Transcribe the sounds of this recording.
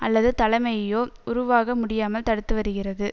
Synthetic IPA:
ɐlːɐðɯt̪ɐlɐmɐjɐjoːʊɾʊʋaːɣɐmʊɽɪjaːmɐlt̪ɐɽɯt̪ːɯʋɐɾɯɣɪrɐðɯ

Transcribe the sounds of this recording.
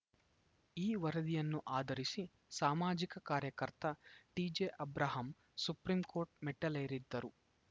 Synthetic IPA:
iːʋɐɾɐd̪ijɐnːuʔaːd̪ʱɐɾisi | saːmaːd͡ʒikɐkaːɾjɐkɐɾt̪ɐʈiːd͡ʒeːʔɐbɾaːɦɐm | supɾimko̞ːɾʈ̚meʈːɐlɐjɾid̪ːɐɾu

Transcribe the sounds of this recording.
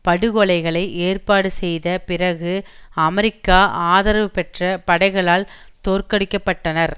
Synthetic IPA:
pɐɽɯɣɔɭɐɪɣɐɭɐɪʔeːrpaːɽɯsɛjðɐpɪɾɐɣɯɐmɐɾɪkːaːʔaːðɐɾʋɯpɛʈrɐpɐɽɐɪɣɐɭaːl | t̪oːrkɐɽɪkːɐpːɐʈːɐnɐɾ

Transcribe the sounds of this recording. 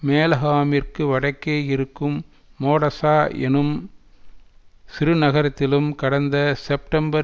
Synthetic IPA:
meːlɐɣaːmɪrkɯʋɐɽɐɪkːeːjɪɾɯkːɯmː | oːɽɐsaːʔɛ̰nɯm | sɪɾɯnɐɣɐɾɐt̪ːɪlɯmkɐɽɐnd̪ɐsɛp̚ʈɐmbɐ

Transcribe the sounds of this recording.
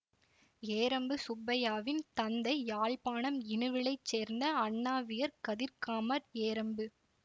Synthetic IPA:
eːɾɐmbɯsʊbːɐjaːʋɪnt̪ɐnd̪ɐɪjaːɭpaːɳɐmɪnɯʋɪɭɐɪt͡ʃːeːɾnd̪ɐɐɳːaːʋɪjɐɾkɐðɪɾkaːmɐɾeːɾɐmbɯ

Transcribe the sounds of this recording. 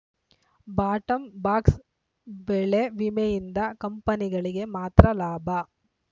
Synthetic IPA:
baːʈɐmbaːks | bɛɭeʋimejind̪ɐkɐmpɐniɡɐɭiɡe̞maːt̪ɾɐlaːbʱɐ

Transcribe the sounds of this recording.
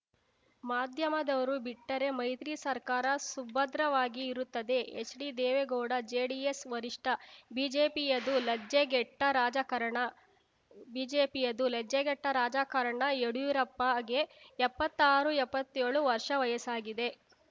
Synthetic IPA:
maːd̪ʱjɐmɐd̪ɐʋɐɾubiʈːɐɾe̞mɐjt̪ɾisɐɾkaːɾɐsubɐd̪ɾɐʋaːɡiːɾut̪ːɐd̪e̞esɖid̪ɛːʋeɡɔːɽɐd͡ʒeːɖiesʋɐɾiʂʈɐbiːd͡ʒeːpijɐd̪ulɐd͡ʒeɡɛʈːɐɾaːd͡ʒɐkɐɾɐɳɐ | biːd͡ʒeːpijɐd̪ulɐd͡ʒːeɡɛʈːɐɾaːd͡ʒaːkɐɾɐɳɐeɽuiːɾɐpːɐɡe̞ɛpːɐt̪ːaːɾuɛpːɐt̪ːeːɭuʋɐɾʂɐʋɐjɐsaːɡid̪e̞

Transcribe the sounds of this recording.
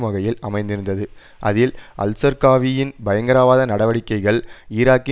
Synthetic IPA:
mɐɣɐjɪlɐmɐɪnd̪ɪɾɯnd̪ɐðɯ | ʔɐðɪlʔɐ̰lsɐɾkaːʋijɪnbɐjɐŋɡɐɾaːʋaːðɐnɐɽɐʋɐɽɪkːɐɪɣɐɭiːɾaːkːɪ

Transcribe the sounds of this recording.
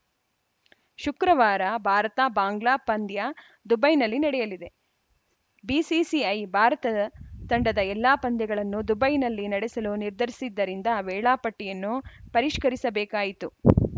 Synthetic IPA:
ʃukɾɐʋaːɾɐbʱaːɾɐt̪abaːŋɡlaːpɐnd̪jɐ | d̪ubɐjnɐlːinɐɽɛjɐlid̪e̞ | bisisiɐjbʱaːɾɐt̪ɐt̪ɐɳɖɐd̪ɐɛlːaːpɐnd̪jɐɡɐɭɐnːud̪ubɐjnɐlːinɐɽesɐluniɾd̪ʱɐɾisid̪ːɐɾind̪ɐʋɛːɭaːpɐʈːijɐnːupɐɾiʂkɐɾisɐbeːkaːjit̪u

